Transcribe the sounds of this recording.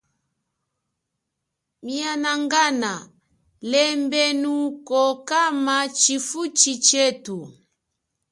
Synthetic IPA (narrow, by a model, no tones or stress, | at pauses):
mianaŋɡana | lɛmbɛnukɔkamat͡ʃifut͡ʃit͡ʃɛtu